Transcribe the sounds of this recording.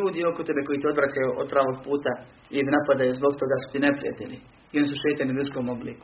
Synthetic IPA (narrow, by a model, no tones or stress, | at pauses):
uːd̪io̞kot̪e̞beko̞jit̪io̞d̪ʋɾat͡ɕajuʔod̪̚pɾaːʋo̞ɡ̚puːt̪a | id̪napad̪ajuzbo̞ɡt̪o̞ɡasu̥t̪ine̞pɾḭja̰t̪ḛlʲi | io̞nis̬uʃeːt̪anilʲjuskomo̞blḭːku̥